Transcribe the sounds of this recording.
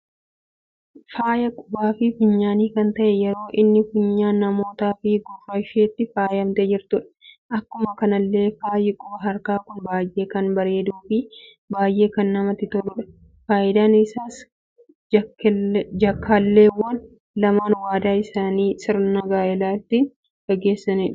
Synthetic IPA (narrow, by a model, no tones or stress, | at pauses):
faːjɐkʼʊbaːfɪfɪɲːaːniːkɐnt̪ɐʔɛjɛɾo̞ːʔɪnːɪfʊɲːaːnːɐmo̞ːt̪aːfɪɡʊfɐʃeːt̪ːɪfaːjɐmt̪ed͡ʒɪɾt̪ʊᶑɐ̥ʔɐkːʊmɐkɐnɐlːe̞ːfaːjɪkʼoːɦɐɾkaːkʊnbaːjʔe̞ːkɐnbɐɾe̞ːd̪uːfɪ | baːjʔe̞ːkɐnːɐmɐt̪ɪt̪ɔlʊᶑɐ̥ | faːʔɪd̪aːnɪsaːs | d͡ʒɐkːaːlːe̞ːwːɐn | lɐmaːnwaːd̪aːɪsaːniːsɪɾnɐɡaːɛlaːɪt̪ːiːn | ɡ̥ɐɡe̞ːsːɐnɪᶑ